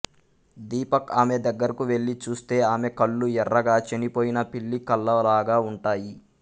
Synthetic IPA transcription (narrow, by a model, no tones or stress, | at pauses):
d̪iːpɐkaːme̞d̪ɐɡːɐɾikuʋe̞ɭːit͡ʃuːst̪e̞ːaːme̞kɐɭːuɛrːɐɡaːt͡ʃenipo̞ːjinɐpiɭːikɐlːɐʋɐlaːɡaːuɳʈaːji